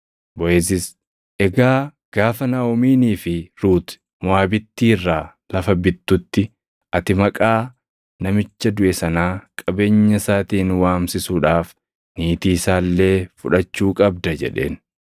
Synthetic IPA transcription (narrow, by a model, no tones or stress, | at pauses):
bɔʔeːs̬ɪs | ʔɛɡaː | ɡ̥aːfɐnaɔmiːniːfɪɾuːt̪ | mʊaːbɪt̪ːiːrːaː | lɐfɐbɪt̪ːʊt̪ːɪ | ʔɐt̪ɪmɐkʼaː | nɐmɪt͡ʃːɐd̪ʊʔɛsɐnaːkʼɐbe̞ːɲːɐsaːt̪iːnwaːmsɪsuːᶑaːf | niːt̪iːsaːlːe̞ːfʊᶑɐt͡ʃːuːkʼɐbd̪ɐd͡ʒɛ̰ᶑe̞̰ːn